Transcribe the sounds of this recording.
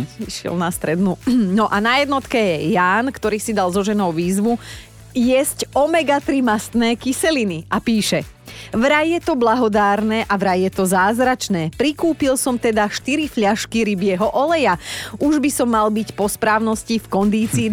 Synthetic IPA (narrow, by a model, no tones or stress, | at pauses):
iʃɪɛ̰lnast̪ɾɛd̪nunɔʔanajɛd̪nɔt̪kɛjɛjaːnkt̪ɔɾiːsid̪alzɔʒɛnɔʊʋiːzʋu | jɛzcɔmɛɡat̪ɾimast̪nɛːkisɛliniapiːʃɛ | ʋɾajjɛt̪ɔblaɦɔd̪aːɾnɛʔaʋɾajjɛt̪ɔzaːzɾat͡ʃnɛːpɾikuːpilsɔmt̪ɛd̪aʃt̪iɾifʎaʃkiɾibɪɛɦɔʔɔlɛjaʔuʒbisɔmːalbicpɔspɾaːʊnɔscifkɔnd̪iːt͡siː